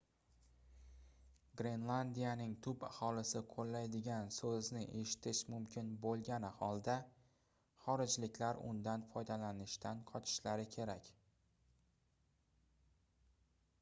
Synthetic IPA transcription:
ɡɾe̞nlˠand̪ijanɪŋt̪ʰʊpahɒlɪsɪqʰolːajd̪ɪɡʲansɵznɪʔe̞ʃɪ̥t̪ʰɪʃmʊmkʲʰɪnbolˠɡʲanɪhɒlˠd̪a | χɒɾɪd͡ʒlɪkʲlaɾʊ̰nd̪anfɒjd̪alanɪʃt̪anqʰɒt͡ʃʰɪ̥ʃlaɾɪkʲʰe̞ɾakʲ

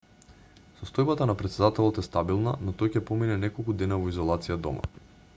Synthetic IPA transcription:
sɔst̪ɔjbat̪anapɾɛt̪sɛd̪at̪ɛlˠɔt̪ɛst̪abilˠnanɔt̪ɔjcɛpɔminɛnɛkolˠkud̪ɛnavɔizɔlˠat̪sijad̪ɔ̰mʔa̰

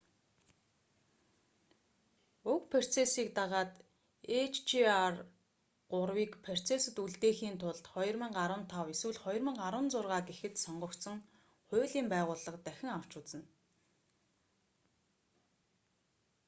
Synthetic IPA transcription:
ɵkpʰer̥t͡sʰesiːk̚t̪aʁaːt̪ | et͡ɕʰt͡ɕiar | ɢʊrwiːkpʰer̥t͡sʰesɘ̆t̪uɮt̪eːxiːnt̪ʰʊɮt̪χɔj̆rmə̆ŋɢaɾwə̆nt̪ʰaweswɘ̆ɮχɔjrmə̆ŋɢaɾwə̆nt͡sʊrʁaːɡexɘ̆t̪sɔɴɢɞ̆k̪sɞ̆ŋ | χʊːɮiːmpæːʁʊːɮə̆qt̪æxʲɪ̆ŋaw̥t͡ɕʊːt͡sə̆n

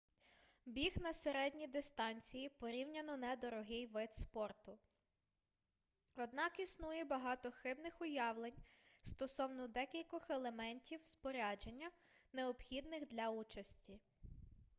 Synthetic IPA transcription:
bʲixnɐseɾɛdʲnʲid̪ɪst̪ɑnʲt͡sʲijipɔɾʲiwnʲɐnɔnɛd̪ɔɾɔɦɪjʋɪt̪spɔrt̪ʊ | ɔd̪nɑkisnujɛbɐɦɑt̪ɔxɪbnɪxʊjɑwlˠenʲst̪ɔsɔwnɔd̪ɛkʲilʲkɔxelˠemɛnʲtʲiwspɔɾʲɑd͡ʒenʲːɐ | neɔpxʲid̪nɪxd̪lʲɐut͡ʃɐsʲtʲi

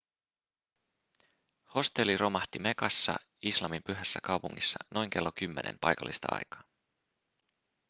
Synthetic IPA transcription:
ho̞st̪elːirʔo̞mɑht̪ime̞kɑsːɑ̰ | islɑmimpyɦæsːækɑwpuŋːisːɑno̞jŋk̟e̞lːokymːenʔḛmpɑ̰jkɑ̰lːist̪ɑ̰ɑ̰jkɑ̥ː

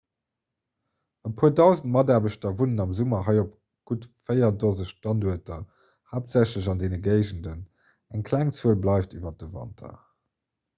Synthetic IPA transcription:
əpʰuːədɑʊzənt̚mɑdaːɐbəɕtɐvunənɑmzumɐɦɑɪop | ɡ̥utfəɪɐdozəɕtɑnduɐtɐ | haːp̚tz̥æɕləʑɑndeːnəɡɜɪʑəndən | æŋkʰlæŋt͡suəlblɑɪftivɐt̚əvɑ̰ntʰɐ̰

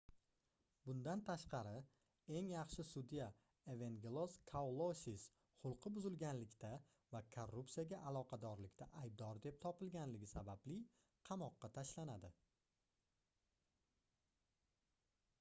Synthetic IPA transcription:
bʊnd̪ant̪ʰaʃqʰɑɾɪ | e̞ŋjɑχʃɪsʊd̪ija | evenɡʲelˠoskʰawlˠosis | χʊlˠqʰɨbʊzɪlɡʲanlɪkʲt̪ʰa | vakʰorːupsijaɡʲaʔalˠɒqʰɑd̪ɒɾlɪkʲt̪ʰaʔajb̚d̪ɒɾd̪e̞p̚t̪ʰɒpɪlɡʲanlɪɡʲɪsabablɪ | qʰɑmɒqːɑt̪ʰaʃlanad̪ɪ

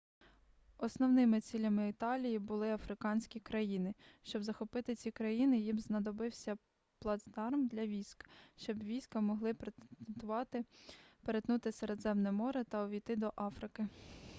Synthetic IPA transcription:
ɔsnɔwnɪmɪt͡sʲilʲɐmɪɪt̪ɑlʲijibʊlˠɪɐfɾɪkɑnʲsʲkʲikɾɐjinɪʃt͡ʃɔbzɐxɔpɪt̪ɪt͡sʲikɾɐjinɪjimznɐd̪ɔbɪwsʲɐ | plˠɐzd̪ɑrmd̪lʲɐʋʲijsʲkʃt͡ʃɔbʋʲijsʲkɐmɔɦlˠɪp̪t̪ʊʋɑt̪ɪpeɾet̪nut̪ɪseɾd̪zɛmnɛmɔɾɛt̪ɐɔʋʲijt̪ɪd̪ɔʔɑfɾɪkɪ

